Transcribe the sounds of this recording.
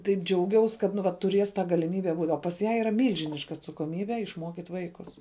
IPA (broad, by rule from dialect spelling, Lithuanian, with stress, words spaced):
tɐɪp ˈd͡ʒʲɛʊˌɡʲɛʊs kɐt nʊ ˈʋɐ tʊˈrʲeːs tɑː ɡɐlʲɪˈmʲiːbʲɛ buːtʲ oː pɐs ˈjæː iːˈrɐ ˈmʲiːlʲʒʲɪnʲɪʃkɐ ɐtsɐkoːˈmʲiːbʲɛ ɪʃˈmuɔkʲiːtʲ ˈʋɐɪkʊs